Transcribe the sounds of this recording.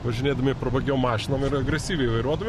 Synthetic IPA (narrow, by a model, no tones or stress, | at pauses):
ʋɐʒʲɪnʲeːd̪ɐmʲɪpɾɐbɐɡʲɛʊmɑːʃʲɪnoːmɪɾɐɡɾʲɛsʲiːʋʲɛɪʋɐɪɾuɔd̪ɐmʲɪ